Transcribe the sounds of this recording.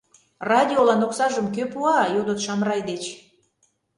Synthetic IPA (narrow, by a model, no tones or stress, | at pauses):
rɑdʲiolɑnoksɑʒəmkøpuɑjod̪ot̪ʃɑmɾɑjd̪et͡ɕ